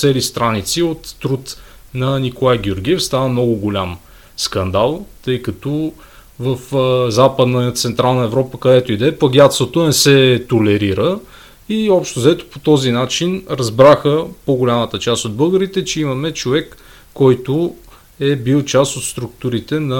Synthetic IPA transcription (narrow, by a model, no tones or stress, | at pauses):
t̪sɛlist̪ɾanit̪siot̪ːɾut̪ | nɐnikolˠajɡʲioɾɡʲiɛfst̪anəmnɔɡʊɡolʲam | skɐnd̪alˠt̪ɤjkɐt̪ɔ | vəfzapəd̪nət̪sɛnt̪ɾalˠnəɛvɾɔpəkɐd̪ɛt̪oid̪ɛpɐɡʲat̪sot̪onɛsɛt̪olɛɾiɾə | iɔpʃt̪ozɛt̪o̥pot̪ɔzinat͡ʃinɾɐzbɾaxəpoɡolʲamət̪ət͡ʃast̪od̪̚bɤlˠɡəɾit̪ɛt͡ʃɛimɐmɛt͡ʃovɛkː | ɔjt̪ʊ | ɛbilˠt͡ʃast̪ot̪st̪ɾuk̚t̪uɾit̪ɛnɐ